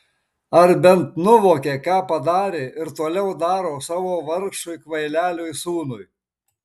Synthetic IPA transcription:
ɐɾbʲɛnt̪nʊʋoːkʲeːkɑːpɐd̪ɑːɾʲeːʔɪɾt̪oːlʲɛʊd̪ɑːɾoːsɑːʋoːʋɐɾkʃʊɪkʋɐɪlʲæːlʲoːjsuːnʊj

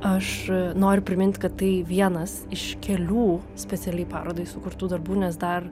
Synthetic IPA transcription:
ɐʃnoːɾʲʊpʲɾʲɪmʲɪnʲt̪ʲkɐt̪tːɐɪʋʲiɛnɐsɪʃkʲɛlʲuː | sʲpʲɛt̪sʲɛlʲɛɪpɑ̰ːɾoːd̪ɐɪsʊkʊɾt̪uːd̪ɐrbuːnʲɛs̬d̪ɐr

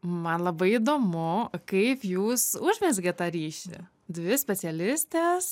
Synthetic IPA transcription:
mɐnlˠɐbɐɪid̪oːmʊkɐɪpjuːsʊʒʲmʲɛsʲɡʲɛt̪ɑːɾʲiːʃʲɪ̰ | d̪ʲʋʲɪsʲpʲɛsʲɛlʲɪsʲt̪ʲeːs

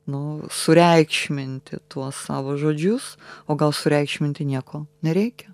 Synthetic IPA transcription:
nʊsʊɾʲɛɪkʃʲmʲɪnʲt̪ʲɪ̰t̪uɔssɑːʋoːʒoːd͡ʒʲʊsoːɡɐlˠsʊɾʲɛɪkʃʲmʲɪnʲt̪ʲɪnʲiɛkoːnʲɛɾʲɛɪkʲɛ

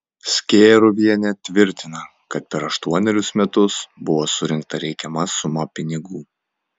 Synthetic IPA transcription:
sʲkʲeːɾʊʋʲiɛnʲɛt̪ʲʋʲɪɾʲt̪ʲɪnɐ | kɐt̪̚pʲɛɾɐʃt̪uɔnʲɛɾʲʊsmʲɛt̪ʊsbʊʋoːsʊɾʲɪŋkt̪ɐɾʲɛɪkʲɛmɐsʊmɐpʲɪnʲɪɡuː

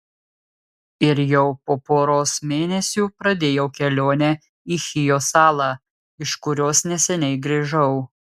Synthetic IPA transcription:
ɪɾjɛʊpoːpoːɾoːsmʲeːnʲɛsʲuːpɾɐd̪ʲeːjɛʊkʲɛlʲoːnʲɛ | iːxʲɪjoːsɑːlˠɑː | ɪʃkʊɾʲoːsnʲɛsʲɛnʲɛɪɡɾʲiːʒɐʊ

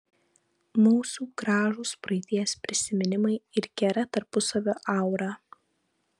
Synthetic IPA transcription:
muːsuːɡɾɑːʒuːspɾɐɪt̪ʲiɛspʲɾʲɪsʲɪmʲɪnʲɪmɐɪɪɾɡʲɛɾɐt̪ɐɾpʊsɐʋʲoːʔɐˑʊɾɑː

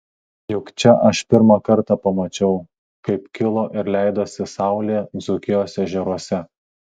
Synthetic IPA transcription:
jʊkt͡ʃʲɛʔɐʃpʲɪɾmɐkɐɾt̪ɑpɐmɐt͡ʃʲɛʊ | kɐɪpkʲɪlˠoːʔɪɾlʲæˑɪd̪oːsʲɪsɑˑʊlʲeːzʊkʲɪjoːsʲɛʒʲɛɾuɔsʲɛ

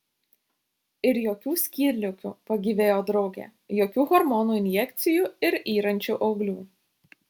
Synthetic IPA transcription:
ɪɾjoːkʲuːsʲkʲiːɾʲlʲʊkʲṵːpɐɡʲiːʋʲeːjoːd̪ɾɒʊɡʲḛːjoːkʲuːɣɔɾmɔnuːɪnʲjɛkʲt̪sʲɪjuːɪɾiːɾɐnʲt͡ʃʲuːʔɐʊɡlʲuː

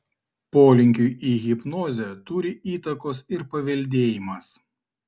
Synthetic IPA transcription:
poːlʲɪŋʲkʲʊɪʔiɣʲɪpnɔːzʲɛt̪ʊɾʲɪʔiːt̪ɐkoːsɪɾpɐʋʲɛlʲd̪ʲeːjɪmɐs

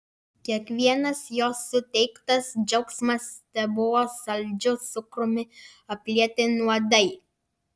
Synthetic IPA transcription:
kʲiɛkʋʲiɛnɐsjoːsːʊt̪ʲɛɪkt̪ɐsd͡ʒɛʊksmɐst̪ʲɛbʊʋoːsɐlʲd͡ʒʲʊt̪ʊkɾʊmʲɪɐpʲlʲiɛt̪ʲɪnuɔd̪ɐɪ

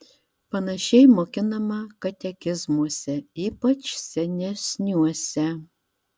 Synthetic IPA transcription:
pɐnɐʃʲɛɪmoːkʲɪnɐmɐkɐt̪ʲɛkʲɪzmuɔsʲɛiːpɐt͡ʃsʲɛnʲɛsʲnʲuɔsʲɛ

